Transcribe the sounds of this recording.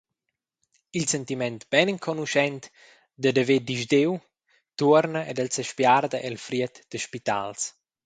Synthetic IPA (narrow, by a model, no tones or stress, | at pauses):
ilsɛnt̪imɛnt̪b̥ɛniŋkʰɔnuʃɛnt̪ | d̪əd̪əved̪iʒd̪ew | t̪uɾnəed̪əlsɛʃpjard̪əʔelfɾiət̪d̪̥əʃpit̪a̰ls